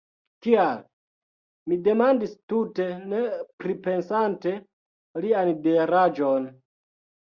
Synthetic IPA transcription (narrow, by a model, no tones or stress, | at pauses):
tial | mide̞mandistute̞ne̞pɾipe̞nsante̞ | liandeɾad͡ʒon